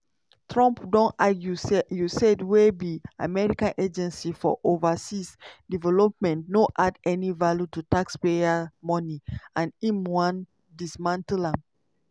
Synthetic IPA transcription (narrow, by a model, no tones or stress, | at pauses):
tɹɔ̃mpdɔ̃naɡjusjusɛdwebiamɛɹikãnʔed͡ʒɛ̃nsifɔ̰ʔovasisdivɛlɔp̚mɛ̃ntnoʔadɛnivaljututakspeamɔ̃niãnĩmwãn | dismãntlãm